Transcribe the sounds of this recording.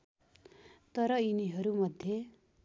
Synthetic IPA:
t̪ʌɾʌiniɦʌɾumʌd̪ʱje

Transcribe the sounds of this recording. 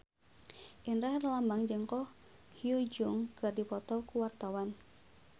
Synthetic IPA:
ʔinrɛhrlambaŋd͡ʒɨŋkɔh | hiud͡ʒʊŋkɨrdipɔt̪ɔkuwart̪awan

